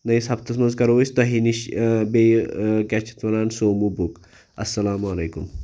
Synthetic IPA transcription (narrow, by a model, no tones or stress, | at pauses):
nɐjsɐp̚t̪ɐsmɐnzkɐɾɐʋusʲt̪ɐɦiniʃbejkat͡ʃʰi̥t̪mɐɾaːnsoːmubuk | ɐsːɐlaːmɐleːkum